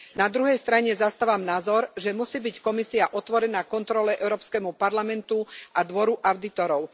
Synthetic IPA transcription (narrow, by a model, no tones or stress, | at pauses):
nad̪ɾuɦɛjst̪ɾaɲɛzast̪aːʋamnaːzɔɾʒɛmusiːbickɔmisiaʔɔt̪ʋɔɾɛnaːkɔnt̪ɾɔlɛʔɛʊɾɔːpskɛmupaɾlamɛnt̪uʔad̪ʋɔɾuʔaʊd̪it̪ɔɾɔʊ